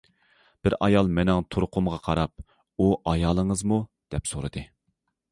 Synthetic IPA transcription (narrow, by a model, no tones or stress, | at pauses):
b̥ɪɾɑjɑlˠmɛnɛŋt̪ʰoɾqʰʊmʁɑqʰɑɾɑp̚ | uʔɑjɑːlˠəŋəzmud̪̥ɛpsoɾɨd̪ɨ